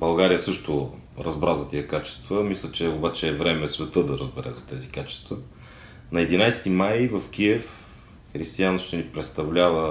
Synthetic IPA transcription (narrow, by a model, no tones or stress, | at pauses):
bɐlˠɡaɾijəsɤʃt̪ʊ | ɾɐzbɾazɐt̪iəkat͡ʃɛ̥st̪vəmislʲət͡ʃɛobat͡ʃɛːvɾɛmɛsvɛt̪ɤd̪ɐɾəzbɛɾɛ̰zɐt̪ɛzikat͡ʃɛ̥st̪və | nɐɛd̪inajst̪imajvəfk̟iɛf | xɾist̪ijanʃt̪ɛnipɾɛt̪st̪ɐvlʲavə